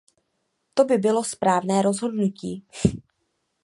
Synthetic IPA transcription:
t̪o̞bɪbɪlo̞spɾaːvnɛːɾo̞zɦo̞dnuciː

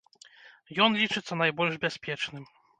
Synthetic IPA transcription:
jɔnlʲit͡ʂɨt̪sːɐnajbɔlʲʐbʲaspʲɛt͡ʂnɨm

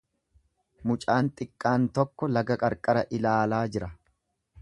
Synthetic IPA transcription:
mʊt͡ʃʼaːnt̪ʼɪkʼːaːnt̪ɔkːɔlɐɡɐkʼɐɾkʼɐɾɐʔɪlaːlaːd͡ʒɪɾɐ

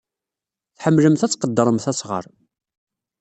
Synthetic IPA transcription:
θħəmːləmθæt͡sːqəd̪ːəɾˤəmθæsʁə̰ɾˤ

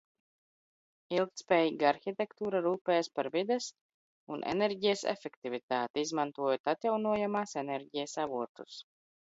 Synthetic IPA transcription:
ilˠkt̪spɛːjiɡaɾxʲit̪ɛkt̪uːɾaɾuːpɛːjaspaɾvid̪ɛs | unʔḛneɾɟijɛsɛ̰fɛkt̪ivʲit̪aːt̪iizmant̪uɔjot̪at̪jawnuɔjamaːsɛnɛɾɟijasavuɔt̪us

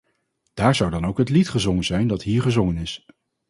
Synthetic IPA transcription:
d̥aːɹzʌwdɑnowkɦətlitχəzoŋənzɛjndɑtɦiːɹχəzɔŋənɪs

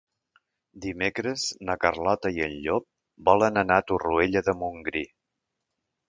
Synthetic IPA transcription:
d̪imekɾəznəkərlɔt̪əiəʎʎop̚ | bɔlənənat̪urueʎəðəmuŋɡɾi

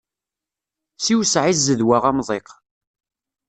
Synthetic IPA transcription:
siwsʕizːəðwaʁamðˤeq

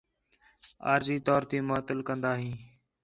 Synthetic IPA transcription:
a̰ːɾziːt̪ɔːɾt̪iːmaːt̪əlkənd̪aːɦĩː

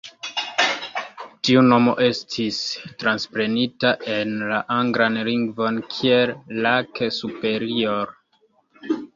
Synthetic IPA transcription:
tiuno̞mo̞̰ʔe̞stʰistɾanspɾe̞nitaʔe̞nlaʔaŋɡɾanliŋɡvo̞nkʰie̞lːakesupe̞ɾioɾ

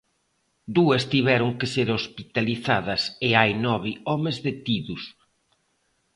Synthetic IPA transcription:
d̪uɐst̪iβɛɾʊŋkeseɾospit̪aliθaðɐsɪajnɔβiɔmezðet̪iðus

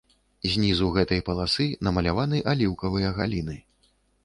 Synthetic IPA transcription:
zʲnʲizuɣɛt̪ɐjpɐlˠasɨnɐmɐlʲavanɨʔalʲiwkɐvɨjɐɣa̰lʲinɨ

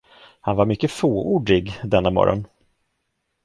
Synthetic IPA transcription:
hanvaɾmʏkːəfoːuːɖɪɡd̪ɛnːamɔ̰ɾɔ̰n

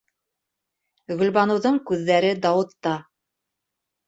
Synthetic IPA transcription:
ɣɵ̆lβɑnɤ̆wðɤɴkʉðːæɾɘd̪ɑwɤ̆t̪ːɑ

